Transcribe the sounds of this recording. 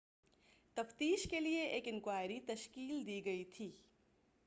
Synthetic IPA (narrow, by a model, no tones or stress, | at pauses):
t̪ɐft̪iːʃkelieʔeːkɪnkwaːjɾit̪ɐʃkiːld̪iːɡɐit̪ʰiː